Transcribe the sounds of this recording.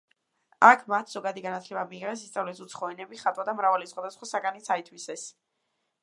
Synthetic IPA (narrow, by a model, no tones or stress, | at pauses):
akʰmat̪ʰz̥ɔɡad̪iɡanat̪ʰlɛbamiːʁɛs̬ist̪sʼavlɛisut̪sʰχɔɛnɛbiχat̪ʼwad̪amɾavalisχwad̪asχwasaɡanit̪sʰait̪ʰwisɛs